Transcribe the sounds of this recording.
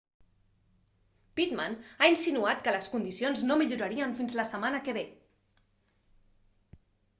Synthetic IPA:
pit̪manainsinuat̪kələskund̪isionznomiʎuɾəɾiəɱfinzləsəmanəkəβe

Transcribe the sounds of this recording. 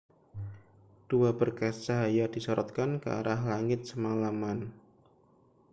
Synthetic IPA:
d̥uabərkast͡ʃaɦajadisɔɾɔt̪̚kankə̰a̰ɾaɦlaŋɪt̪̚səmalaman

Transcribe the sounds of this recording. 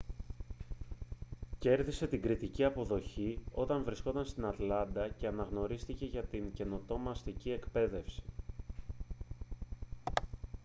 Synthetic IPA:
ce̞ɾðise̞t̪iŋɡɾit̪iciɐpo̞ðo̞çio̞t̪ɐɱvɾiskot̪ɐnst̪inɐt̪lɐnd̪ɐce̞ɐnɐɣno̞ɾist̪ice̞ʝɐt̪iɲce̞no̞t̪o̞mɐst̪icie̞kpe̞ðe̞fsi̥

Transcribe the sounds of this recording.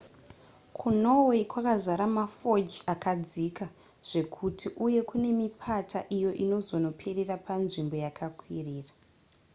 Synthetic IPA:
kʰuno̞weikwakazaɾamafo̞d͡ʒakad͡zika | ʐ̥e̞kʰutʰiʔuje̞kune̞mipʰatʰaʔijo̞ʔino̞zo̞no̞pʰererapanʐimbo̞jakʰakʰwiriːra

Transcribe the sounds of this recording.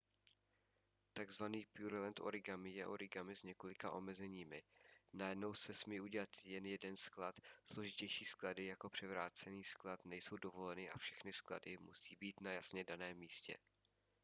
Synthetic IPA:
t̪aɡzvaniːpjuɾlɛnt̪ʔoɾɪɡamɪjɛʔoɾɪɡamɪzɲɛko̞lɪkaʔo̞mɛzɛɲiːmɪnajɛdno̞wsɛsmiːʔuɟɛlat̪jɛnjɛdɛnsklat̪slo̞ʒɪcɛjʃiːskladɪjako̞pr̝̥ɛvɾaːt͡sɛniːsklat̪nɛjso̞wdo̞vo̞lɛnɪʔa̰fʃɛxnɪskla̰dɪmṵsiːbiːt̪najasɲɛdanɛːmːiːscɛ̰

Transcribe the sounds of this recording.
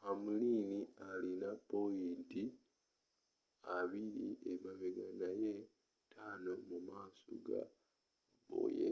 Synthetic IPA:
hamuliːnialinapoiːnti | aβiɾiʔemaβeɡanaje | tʰaːnomumaːso̰ɡa̰ | bo̰ːjḛ

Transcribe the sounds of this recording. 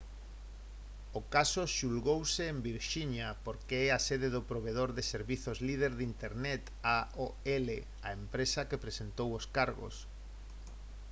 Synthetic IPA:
ʊkasoʃulɣowseːmbiɾʃiɲapoɾkeɛasɛðeðʊpɾoβeðoɾðɪseɾβiθozlið̞eɾðint̪eɾnɛt̪aoele | aempɾesɐkepɾesent̪owoskaɾɣo̰s

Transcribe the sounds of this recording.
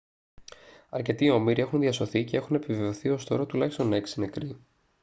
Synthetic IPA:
ɐɾce̞t̪io̞miɾie̞xunðiɐso̞θice̞e̞xune̞piveoθio̞st̪o̞ɾot̪ulɐçist̪o̞ne̞ksine̞kɾi

